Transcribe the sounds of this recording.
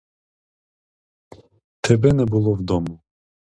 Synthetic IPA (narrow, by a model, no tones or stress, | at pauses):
t̪ʰɛbɛnɛbulˠɔvd̪ɔmu